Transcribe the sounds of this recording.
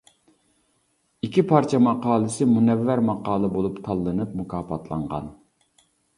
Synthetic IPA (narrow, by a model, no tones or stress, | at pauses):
ikʲʰipʰɑɾt͡ʃʰɛmɑqɑːlˠɨsɪmunɛvːæɾmɑqɑːlˠɨbolˠupt̪ʰɑlˠːɨnɨp̚mukʰɑːpʰɑt̪ʰlˠɑ̰ɴʁɑ̰n